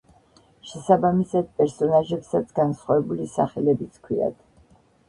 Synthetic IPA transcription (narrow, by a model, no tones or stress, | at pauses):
ʃɛsabamisad̪̚pʼɛɾsɔnaʒɛpsat̪sʰɡansχwavɛbulisaχɛlɛbit̪sʰkʰwia̰d̪̥